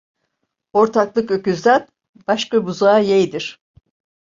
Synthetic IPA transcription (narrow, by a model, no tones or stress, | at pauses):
o̞ɾt̪ʰaklˠɯkøcyzlʲæɾ | b̥aʃkabuzaːjejd̪iɾ̥